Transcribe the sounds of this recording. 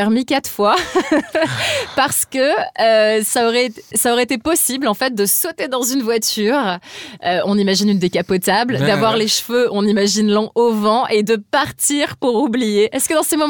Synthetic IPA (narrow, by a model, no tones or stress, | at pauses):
ɛʁmikat̪χfwa | paʁsə̥kəøsaɔʁɛt̪saɔʁɛet̪epɔsiblɑ̃fɛt̪̚d̪əsot̪ed̪ɑ̃zynvwat̪yːʁøɔ̃nimaʒinynd̪ekapɔt̪abld̪avwaʁleʃføɔ̃nimaʒinlɑ̃ʔovɑ̃ʔed̪əpaʁt̪iʁpuʁublijeʔɛskəd̪ɑ̃semɔm